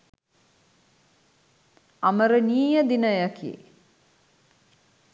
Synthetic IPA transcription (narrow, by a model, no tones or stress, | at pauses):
aməɾəniːjəd̪inəjakʰiḛ